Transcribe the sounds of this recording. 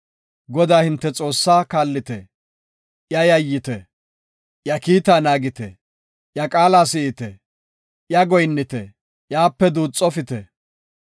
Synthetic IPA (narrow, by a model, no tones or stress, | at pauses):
ɡɔd̪aːhɪnt̪ːɛt͡sʼo̞ːsːaːkaːlːɪt̪ɛ | jɐjɐjːɪt̪ɛ | jɐkiːt̪aːnaːɡɪt̪ɛ | jɐkʼaːlaːsɪʔɪt̪ɛ | jɐɡɔjnːɪt̪ɛ | jaːpːɛd̪uːt͡sʼːɔfɪt̪ɛ